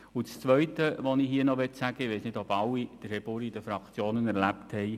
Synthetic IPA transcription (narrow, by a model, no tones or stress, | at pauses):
ʊt͡st͡sʋœʏtəʋɔnɪɦiːənɔʋɛtsæɡ̥əʋɛɪsnɪdɔbɑlːid̥əɾhɛbuɾid̥əfɾɑkt͡sjoːnənɛɾlæpthɛɪ